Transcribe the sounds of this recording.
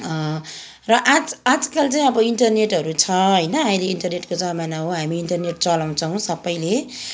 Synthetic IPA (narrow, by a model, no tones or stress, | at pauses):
rʌʔad͡zad͡zʌkalt͡saj̃ʌbʌiɳʈʌrneʈɦʌɾut͡sʰʌɦʌjnʌamileiɳʈʌrneʈkod͡zʌmanaɦoɦamiːɳʈʌrneʈ̚t͡sʌlaw̃t͡sʰʌw̃sʌbːʌjle